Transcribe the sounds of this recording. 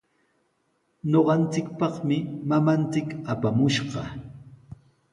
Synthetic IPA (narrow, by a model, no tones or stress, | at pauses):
ɲoɢɑnt͡sɪkpɑχmɪmamant͡sɪkapamʊʃɢɑ